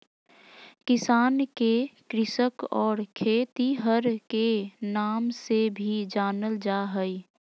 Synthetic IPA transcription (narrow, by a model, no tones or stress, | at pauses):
kɪsaːnkekɾɪʃəkɔːɾkʰeːt̪iɦəɾkenaːmsebʱid͡ʒaːnəld͡ʒaːɦəi